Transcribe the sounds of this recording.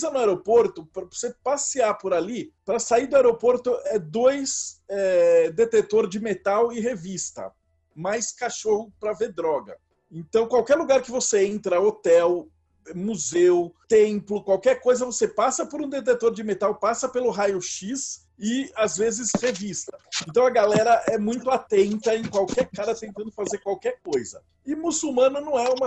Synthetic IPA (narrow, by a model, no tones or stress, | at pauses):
zɐnʊaeɾopoɾt̪ʊpɾɐvosepasiaɾpoɾalipɾɐsaiɾd̪ʊaeɾopoɾt̪ʊʔɛd̪ojsɛd̪et̪et̪oɾd͡ʒɪmet̪awɪɦevist̪ɐ̰ | majskaʃohʊpɾɐveɾd̪ɾɔɡɐ | ẽnt̪ɐ̃w̃kwawkɛɾluɡaɾkɪvoseẽnt̪ɾɐot̪ɛw | ɛmuzewʊt̪ẽmplʊkwawkɛɾkojzɐvosepasɐpoɾũd̪et̪̬et̪oɾd͡ʒɪmet̪awpasɐpelʊɦajʊʃis | ɪazvezɪshevist̪ɐ̥ẽnt̪ɐ̃w̃ɐɡalɛɾɐʔɛmũj̃t̪ʊat̪ẽnt̪ɐẽj̃kwawkɛɾkaɾɐt̪ẽnt̪ɐ̃nd̪ʊfazeɾkwawkɛɾkojzɐ̰ | ɪmusuwmɐ̃nʊnɐ̃w̃ɛũmɐ